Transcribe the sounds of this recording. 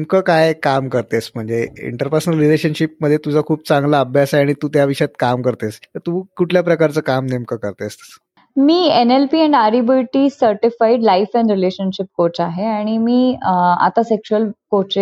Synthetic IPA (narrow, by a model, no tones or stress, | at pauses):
nemkəkajkamkəɾt̪esm̤əɳd͡zeḭɳʈəɾpəɾsənəlɾileɕənɕip̚məd̪ʱjet̪ud͡zʱakʰuːb̚t͡sãŋɡlaːbʱjasaaɽ̃it̪uːt̪jaʋiʂjat̪kamkəɾt̪est̪əɾt̪uːkuʈʰljapɾəkaɾt͡səːkamnemkəkəɾt̪est̪ə | miːenelpiːɛ̃ɳɖaɾibilʈisəɾʈifaiɖlaifɛ̃ɳɖɾileɕənɕip̚kot͡ɕaɦeaɽ̃imiːa̰t̪asekɕuəlkot͡ɕe